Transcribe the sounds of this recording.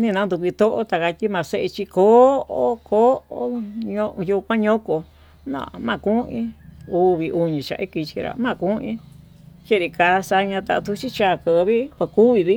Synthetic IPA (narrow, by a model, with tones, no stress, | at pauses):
nĩ˦˧nã˧˦nd̪u˧kʷi˧t̪o˦ʔo̰˦t̪a˧ka˧t̪i˦mã˨se˦ʔe˧t͡ʃi˧ko˨˦o˦ko˦o˦ɲõ˧ʔju˧kʷã˦ɲõ˦ko˧ | nã̰˦˧˨mã˧˨kũ˦ĩ˦u˧βi˧ʔu˧ɲĩ˨t͡ʃa̰˧i˦ki˧t͡ʃi˧ɾa̰˨mã˦˨kũ˦ĩ˦ | t͡ʃe˦˨ɾi˧ka˧sa˧ɲã˧t̪a˧t̪u˧t͡ʃi˦t͡ʃa˦˧˨kə˨˧βi˦ka˧ku˦βi˧βi˦